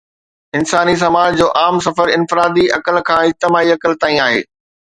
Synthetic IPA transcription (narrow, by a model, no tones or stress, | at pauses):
ɪnsaːnis̬ɐmaːd͡ʑd͡ʑoːʔaːmsɐfəɾɪnfɪɾaːd̪iɐkəlkʰãːɪd͡ʑt̪ɪmaːiɐkəlt̪aːĩaːɦḛː